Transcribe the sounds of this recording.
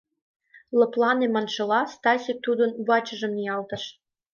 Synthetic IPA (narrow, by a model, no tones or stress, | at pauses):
lɤ̆plˠɑnemɑnʃɤ̆lɑst̪ɑsʲik̚t̪ud̪ə̆nβɑt͡ɕə̆ʒə̆mniɑlt̪ə̆ʃ